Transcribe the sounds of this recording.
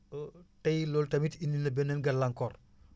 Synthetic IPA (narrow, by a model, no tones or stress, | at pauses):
tɐjlɔltɐmitinːinɐbɛnːɛnɡɐlɐŋkɔr